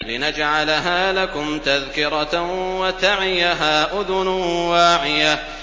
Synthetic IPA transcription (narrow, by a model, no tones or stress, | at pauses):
lɪnad͡ʒʕalaɦaːlakʊmt̪aðkɪɾˤɑwat̪aʕɪjaɦaːʔʊðʊnʊwaːʕɪja